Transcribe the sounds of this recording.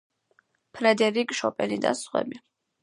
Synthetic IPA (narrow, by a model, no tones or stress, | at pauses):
pʰɾɛd̪ɛɾikʼʃɔpʼɛlid̪a̰sχwɛ̰bi